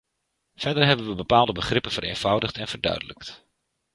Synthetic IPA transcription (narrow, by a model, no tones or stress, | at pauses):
v̥ɛɹdəɹɦɛbənʋəbəpaːlˠdəbəχrɪpənvəɾḛjnv̥ʌwdəχtɛnv̥əɹdœ̰ɥdələ̰kt